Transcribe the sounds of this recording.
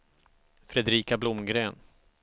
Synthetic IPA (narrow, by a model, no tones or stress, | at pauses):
fɾɛd̪ɾiːkablʊmɡɾeːn